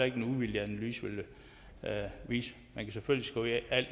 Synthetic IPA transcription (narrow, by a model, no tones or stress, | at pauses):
ɐe̝ɡ̥enuʋiljəænlyːsʋelə | ʋiːs | mænkʰæseføl̰jisɡ̥ɔæl̰̥